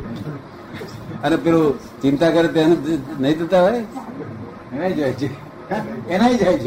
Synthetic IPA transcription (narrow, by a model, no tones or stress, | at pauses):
ənepeɾo | t͡ʃɪnt̪akəɾet̪janenəɦĩt̪ət̪aɦoj | enaid͡ʒajt͡ʃʰe | enaid͡ʒajt͡ʃʰe